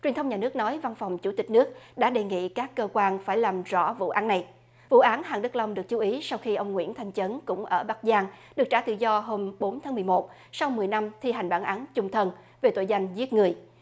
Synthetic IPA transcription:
t͡ɕwi˨˩ənt̪ə˧ŋ͡mɲaː˨˩nɨ˦˥k̚nɔ˨˦jva˧nfɔ˨˩wŋ͡mt͡ɕu˧˩t̪ï˨˩k̟̚nɨ˦˥ək̚ɗa̰ː˧˥ɗe˨˩ŋḭ˧˨kaː˦˥kːəː˧kwaː˧nfaː˧˩jlaː˨˩mzɔ̰˧˥vṵ˧˨ʔaː˨˦nːa˨˩j | vṵ˧˨ʔaː˨˦nhaː˨˩ŋɗɨ˦˥k̚la˧wŋ͡mɗɨ˨˩ək̚t͡ɕu˨˦ʔi˨˦sa˧wxi˧ʔə˧wŋ͡mŋwḭ˧˥ənt̪ʰa˨˩jŋ̟t͡ɕə˨˦nkʊ̰˧˥ŋ͡mʔəː˧˩ɓa˦˥k̚zaː˧ŋɗɨ˨˩k̚t͡ɕaː˧˩t̪ɨ̰˧˨zɔ˧ɦo˧mɓo˨˦nt̪ʰaː˨˦ŋmɨ˨˩əjmo˨˩t̚ | sa˧wmɨ˨˩əjna˧mt̪ʰi˧ɦa˨˩jŋ̟ɓaː˧˩nʔaː˨˦nt͡ɕʊ˧ŋ͡mt̪ʰə˧n | ve˨˩t̪o̰˧˨jza˧jŋ̟zi˦˥t̚ŋɨ˨˩əj

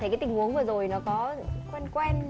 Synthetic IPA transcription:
e˧˩kaː˨˦t̪ï˨˩ŋ̟ʔu˨˦əŋvɨː˨˩zo˨˩jnɔ˨˦kɔ˨˦kwɛ˧nkwɛ˧n

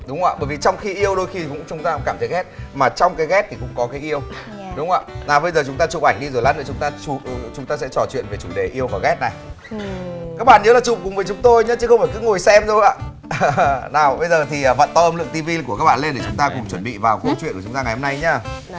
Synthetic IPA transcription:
ɗʊ˨˦ŋ͡mʔa̰ː˧˨ɓəː˧˩jvi˨˩t͡ɕɔ˧wŋ͡mxi˧ʔi˧əwɗo˧jxi˧kʊ̰˧˥ŋ͡mt͡ɕʊ˨˦ŋ͡mt̪aː˧ŋ͡mkaː˧˩mʰə˨˦ɣɛ˦˥t̚maː˨˩t͡ɕɔ˧wŋ͡mkaː˨˦jɣɛ˦˥t̚t̪ʰi˨˩kʊ̰˧˥ŋ͡mkɔ˨˦kaː˨˦jʔi˧əw | ɗʊ˨˦ŋ͡mʔa̰ː˧˨naː˨˩wɓə˧jzəː˨˩t͡ɕʊ˨˦ŋ͡mt̪aː˧t͡ɕṵ˨˩ʔɓa˧˩jŋ̟ɗi˧zo˨˩jla̰˨˦nɗə˨˩t͡ɕʊ˨˦ŋ͡mt̪aː˧t͡ɕu˧˩˨t͡ɕʊ˨˦ŋ͡mt̪aː˧sɛ̰˧˥t͡ɕɔ˨˩t͡ɕwḭ˧˨ənve˨˩t͡ɕu˧˩ɗe˨˩ʔi˧əwvɔː˨˩ɣɛ˦˥t̚na˨˩j | kaː˦˥k̚ɓa̰ː˧˨nɲəː˨˦laː˨˩t͡ɕʊ̰˨˩˨ŋ͡mkʊ˨˩ŋ͡mvəː˨˦t͡ɕʊ˨˦ŋ͡mt̪o˧jɲə˨˦t͡ɕɨ˨˦xə˧ŋ͡mfaː˧˩kɨ˨˦ŋo˨˩jsɛ˧mzo˧jʔa̰ː˧˨ | naː˨˩wɓə˧jzəː˨˩t̪ʰiː˨˩˨və̰˧˨nt̪ɔː˧˩ʔəː˧mlɨ̰˧˨əŋt̪i˧vi˧ku˧˩ka˦˥ɓa̰ː˧˨le˧nɗe˧˩t͡ɕʊ˨˦ŋ͡mt̪aː˧kʊ˨˩ŋ͡mt͡ɕwə˧˩nɓḭ˧˨vaː˨˩wko˧˦t͡ɕwḭ˧˨nku˧˩ʊ˨˦ŋ͡mt̪aː˧ŋa˨˩jho˧mna˧jɲaː˧

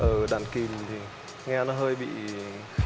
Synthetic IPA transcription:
ʔəː˧˩ɗa̰ː˧˨nki˨˩mt̪ʰi˨˩ | ŋɛ˧nɔ˨˦ɦəː˧jɓḭ˧˨

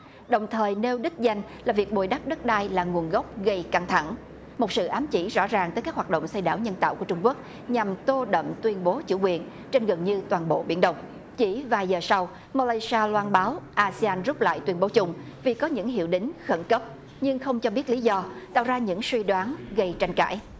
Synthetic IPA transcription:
ɗə˨˩wŋ͡mt̪ʰəː˨˩jne˧wɗi˦˥k̚za˧jŋ̟ | laː˨˩vi˨˩ək̚ɓo˨˩jɗa˦˥p̚ɗə˦˥t̚ɗaː˧jlaː˨˩ŋu˨˩ənɣə˦˥wk͡p̚ɣə˧jka˧ŋt̪ʰa˧˩ŋ | mo˨˩t̚sɨ̰˧˨ʔaː˨˦mt͡ɕi˧˩zɔ̰˧˥zaː˨˩ŋt̪ə˨˦kaː˦˥khwaː˨˩t̚ɗə̰˧˨wŋ͡msa˧jɗaː˧˩wɲə˧nt̪a̰ː˧˨wku˧˩ət͡ɕʊ˧ŋ͡mku˦˥ək̚ | ɲa˨˩mt̪o˧ɗə̰˧˨mt̪wi˧ənɓo˨˦t͡ɕṵ˧˩kwi˨˩ən | t͡ɕe˧nɣə˨˩nɲɨ˧t̪waː˨˩nɓo̰˧˨ɓḭ˧˩ənɗə˨˧˩wŋ͡m | t͡ɕi˧˩vaː˨˩jzəː˨˩sa˧w | ma˧laː˧jsaː˧lwaː˧nɓaː˨˦wʔaː˧si˧aː˧nzʊ˦˥p̚la̰ː˧˨jt̪wi˧ənɓo˨˦t͡ɕʊ˧ŋ͡m | vi˨˩kɔ˨˦ɲɨ̰˧˥ŋɦḭ˧˨wɗï˨˦ŋ̟xə˧˩nkə˦˥p̚ | ɲɨ˧ŋxə˧wŋ͡mt͡ɕɔ˧ɓi˦˥ət̚li˨˦zɔ˧t̪a̰ː˧˨wzaː˧ɲɨ̰˧˥ŋswi˧ɗwaː˨˦nɣə˧jt͡ɕa˧jŋ̟ka̰ː˧˩˨j

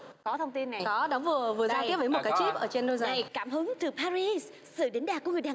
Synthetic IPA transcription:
kɔ˨˦t̪ʰə˧wŋ͡mt̪i˧nːa˨˩jkɔ˨˦ɗɔ˨˦vɨ˨˩əvɨ˨˩əzaː˧i˦˥p̚və˨˦m˨˩t̚kaː˨˦jt͡ɕi˦˥p̚ʔəː˧˩t͡ɕe˧nɗo˧zaː˨˩kaː˧˩mɦɨ˨˦ŋt̪ɨ˨˩paː˧ɾi˧s | sɨ̰˧˨ɗe˨˦n̟ɗaː˨˩ku˧˩ŋɨ˨˩ɗaː˨˩

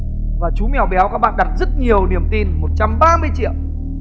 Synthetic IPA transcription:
vaː˨˩t͡ɕu˨˦mɛ˨˩wɓɛ˨˦wkaː˦˥k̚ɓa̰ː˧˨ɗa˨˩t̚zə˦˥t̚ɲi˨˩əwni˨˩əmt̪i˧nmo˨˩t̚t͡ɕa˧mɓaː˧mɨ˧əjt͡ɕḭ˧˨əw

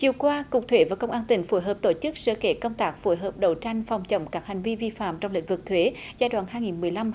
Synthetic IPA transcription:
t͡ɕi˨˩əkwaː˧kʊ˨˩k͡p̚t̪ʰwe˧˨˦vaː˨˩kə˧wŋ͡mʔaː˧nt̪ï˨˩ŋ̟fu˧˦jɦəː˨˩p̚t̪o˧˩t͡ɕɨ˦˥k̚sə̰ː˧˥ke˧˩kə˧wŋ͡mt̪aː˦˥k̚fo˧˩jɦəː˨˩p̚ɗə˧˩wt͡ɕa˧jŋ̟fa˨˩wŋ͡mt͡ɕə̰˧˨wŋ͡mkaː˦˥k̚ha˨˩ŋ̟vi˧vi˧fa̰ː˧˨mt͡ɕɔ˧wŋ͡mlḭ̈˧˥ŋ̟vɨ˨˩k̚t̪ʰwe˨˦zaː˧jɗwaː˧˨nɦaː˧jŋi˨˩nmɨ˨˩əjla˧m

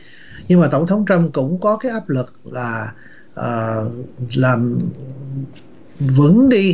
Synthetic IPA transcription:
ɲɨ˧ŋmaː˨˩t̪ə˧˩wŋ͡mt̪ʰə˨˦wŋ͡mt͡ɕə˧mkʊ̰˧˥ŋ͡mkɔ˨˦kaː˨˦jʔaː˦˥p̚lɨ˨˩k̚laː˨˩ | ʔəː˨˩ | laː˨˩m | və̰˧˥ŋɗi˧

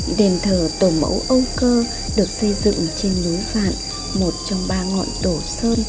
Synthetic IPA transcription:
ɗe˨˩nt̪ʰəː˨˩t̪o˧˩mə̰˧˦wʔə˧wkəː˧ | ɗɨ˨˩ək̚sə˧jzɨ̰˧˨ŋt͡ɕe˧nnu˨˦jva̰ː˧˨n | mo˨˩t̚t͡ɕɔ˧wŋ͡mɓaː˧ŋɔ̰˧˨nɗ̪o˧˩səː˧n

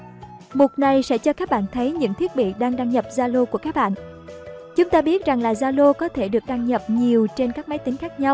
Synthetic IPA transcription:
mo˨˩t̚na˨˩jsɛ̰˧˥t͡ɕɔ˧kaː˦˥k̚ɓa̰ː˧˨nt̪ʰə˨˦jɲɨ̰˧˥ŋt̪ʰi˦˥ət̚ɓḭ˧˨ɗaː˧ŋɗaː˧ŋɲə˨˩p̚zaː˧lo˧ku˧˩əkaː˦˥k̚ɓa̰ː˧˨nʔ | t͡ɕʊ˨˦ŋ͡mt̪aː˧ɓi˦˥ət̚za˨˩ŋlaː˨˩zaː˧lo˧kɔ˨˦t̪ʰe˧˩ɗɨ˨˩ək̚ɗa˧ŋɲə˨˩p̚ɲi˨˩əwt͡ɕe˧nkaː˦˥k̚ma˨˦jt̪ï˨˦ŋ̟xaː˦˥k̚ɲa˧w

